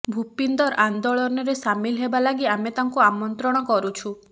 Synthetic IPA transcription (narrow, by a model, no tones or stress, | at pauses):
bʱupind̪ɔɾand̪ɔɭɔnɔɾesamilɦebalaɡiamet̪aŋkuamɔnt̪ɾɔɽ̃ɔkɔɾut͡ʃʰu